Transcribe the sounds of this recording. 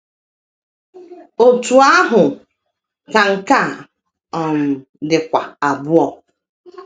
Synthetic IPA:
o˨tu˨a˦ɦʊ˨ | ka˨ŋ̩˨ka˦˨ | ɔ˨m̩˨ | dɪ˨kʷa˨a˨bʊ˦ɔ˦

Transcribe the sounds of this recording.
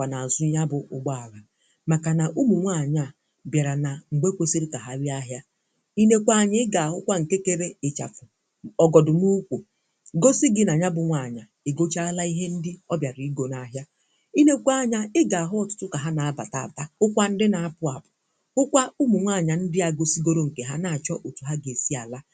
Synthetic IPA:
kʷa˨na˨a˨zʊ˦ɲa˦bʊ˨ʔʊ̰˨ɡ͡ba˦a˨ɾa˨ | ma˨ka˨na˨ʔu˦mu˨ŋʷa˦˨ɲa˦˨ | bja˨ɾa˨na˨ŋ̩˨ɡ͡be˦kʷe˦si˦ɾi˦ka˨ɦa˦ɾja˦ɦja˦ | i˦ne˦kʷa˨ɲɪ˦ɪ˦ɡa˨a˨ɦʊ˦kʷa˦ŋ̩˨ke˦ke˦ɾe˦ɪ˨t͡ʃa˨fʊ˨ | ɔ˨ɡɔ˨dʊ˨nu˦kʷu˨ | ɡo˦si˦ɡɪ˦na˨ɲa˦bʊ˨ŋʷa˨ɲa˨ | e˨ɡo˦t͡ʃa˦a˦la˦i˦ɦe˦n̩˦dɪ˦ɔ˦bja˨ɾi˨i˦ɡo˨na˨˦ɦja˦ | i˦ne˦kʷa˦˨ɲa˨ɪ˦ɡa˨a˨ɦʊ˦ɔ˨tʊ̥˦tʊ˦ka˨ɦa˦na˨a˦ba˨ta˨a˨ta˦ʊ˦kʷa˦n̩˦dɪ˦na˨a˦pʊ˨˦a˨pʊ̥˨ | ʊ˦kʷa˦u˦mu˨ŋʷa˦˨ɲa˨n̩˦dɪ˦a˨ɡo˦si˦ɡo˦ɾo˦ŋ̩˨ke˨ɦa˦na˨a˨t͡ʃɔ˦ʔo˨tu˨ɦa˦ɡe˨si˦a˨la˦

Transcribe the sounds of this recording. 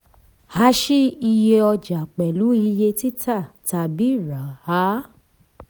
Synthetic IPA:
ha˨˦ʃi˦i˧je˧ɔ˧d͡ʒa˨k͡pɛ˨lu˨˦i˧je˧ti˦ta˦˨ta˨bi˨˦˨ɾa˨ha˦

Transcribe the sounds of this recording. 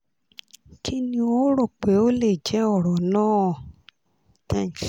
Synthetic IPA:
ti˦nĩ˧o˦ɾo˦˨k͡pe˨˦o˦le˨d͡ʒɛ˨˦ɔ˦˨ɾɔ˨nãː˦˨ | tɛ̃˦˨

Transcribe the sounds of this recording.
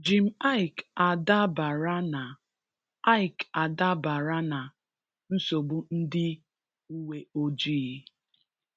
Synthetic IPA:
d͡ʒi˨m̩˦a˦ɪ˨ka˨da˦ba˨ɾa˦na˨ | a˦ɪ˨ka˨da˦ba˨ɾa˦na˨ | n̩˦so˨ɡ͡bu˦n̩˦dɪ˦ | u˦we˦o˦d͡ʒiː˦˨˦

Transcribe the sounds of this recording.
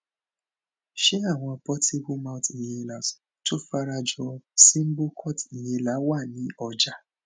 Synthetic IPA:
ʃe˦a˦˨w̃ɔ̃˧˨pɔ˦ti˦bu˦mã˦ʊ˦ti˨jẽ˧la˨s | to˦fa˧ɾa˧d͡ʒɔ˧si˦m̩˦bo˦kʰɔ˦˨ti˨jẽ˧la˨˦wa˦˨nĩ˨˦ɔ˧d͡ʒa˦

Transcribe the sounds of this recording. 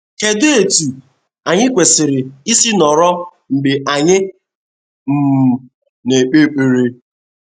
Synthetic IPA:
ke˨dʊ˦e˨tu˨ | a˨ɲɪ˦kʷe˨sɪ˨ɾɪ˨i˦si˦nɔ˨ɾɔ˦ | ŋ͡m̩˨ɡ͡bɪ˨ʔa˨ɲɪ˦ | m̩˨m̩˨ | ne˨k͡pe˦k͡pe˨ɾe˦

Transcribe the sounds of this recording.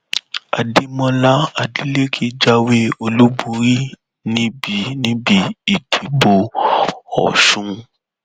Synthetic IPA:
a̰˨di˧˦mɔ̃˧la˦a˨di˨˦le˦kʰi˦d͡ʒa˦we˦o˧lu˦bũ˧ɾi˦ | nĩ˦bi˨˦nĩ˦bi˦i˨tʰi˨bo˧ | ɔ̰˨ʃũ˨˦

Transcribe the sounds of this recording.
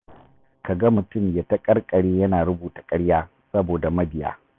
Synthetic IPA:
ka˨ɡɐ˦mʊ˨tʊ˦˨mja˨tɐ˦kʼɐ˦rkʼɐ˨ɽeː˦jɐ˦naː˨ɾʊ˦buː˨tḁ˨kʼɐ˦ɽjaː˦ | sɐ˦boː˨da˨mɐ˦bɪ˨ja̰ː˦

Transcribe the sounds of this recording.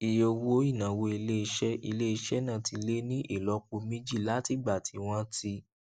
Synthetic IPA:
i˨jo˧wo˦i˦˨nã˨wo˧i˧le˦i˧ʃɛ˦i˧le˦i˧ʃɛ˦nã˦˨ti˧le˦nĩ˦ʔi˦˨lɔ˨˦ku˧mẽ˦d͡ʒi˦˨la˦ti˦˨ɡ͡ba˨tʰi˨˦w̃ɔ̃˦ti˧˦

